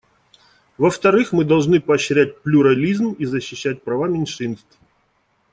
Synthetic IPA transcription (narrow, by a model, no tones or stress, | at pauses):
vəft̪ɐɾɨxmɨd̪ɐlˠʐnɨpɐːɕɾʲæt̚ʲplʲʊɾɐlʲizmizəɕːɪɕːæt̚ʲpɾɐvamʲɪnʲʂɨnst̪f